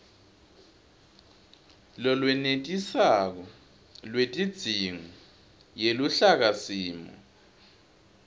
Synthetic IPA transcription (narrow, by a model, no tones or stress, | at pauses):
lɔlwɛnetʼisak̬ɔ | lwetʼid̥z̥ʱiŋɔ | jeluɬak̬asiːmɔ̰